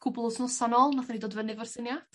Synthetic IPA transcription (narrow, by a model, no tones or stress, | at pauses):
kʰʊblˠʊsnʊsanɔlˠnaθanidoːdvənɨvɔrsɪnja